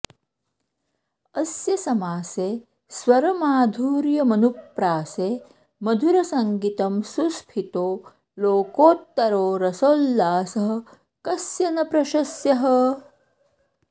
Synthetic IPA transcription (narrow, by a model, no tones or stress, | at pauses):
ɐsjɐsɐmaːseː | swɐɾɐmaːd̪ʱuːɾjɐmɐnupɾaːseː | mɐd̪ʱuɾɐsɐŋɡit̪ɐmsuspʰit̪oː | loːkoːt̪ːɐɾoːɾɐsolːaːsɐɦɐ̆ | kɐsjɐnɐpɾɐʃɐsjɐɦɐ